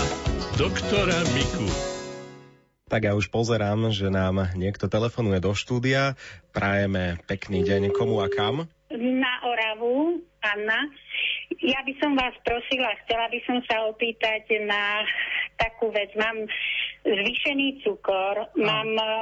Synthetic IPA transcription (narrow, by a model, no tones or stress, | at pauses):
d̪ɔkt̪ɔɾamiku | t̪aɡjauʃpɔzɛɾaːmʒɛnaːmɲɪɛkt̪ɔt̪ɛlɛfɔnujɛd̪ɔʃt̪uːd̪iapɾajɛmɛpɛkniːɟɛɲkɔmuakam | naʔɔɾaʋuanːa | jabisɔmʋaːspɾɔsilaxt͡sɛlabisɔmsaɔpiːt̪aɟnat̪akuːʋɛd͡zmaːm | zʋiʃɛniːt͡sukɔɾmaːm